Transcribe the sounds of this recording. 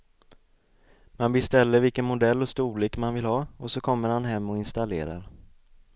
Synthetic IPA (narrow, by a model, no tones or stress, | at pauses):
manbɛst̪ɛlːəɾvɪlkənmʊd̪ɛlːɔst̪uːliːkmanvɪlhɑːɔsɔkʰɔmːəɾhanɦɛmːɔɪnst̪alḛːɾa̰ɾ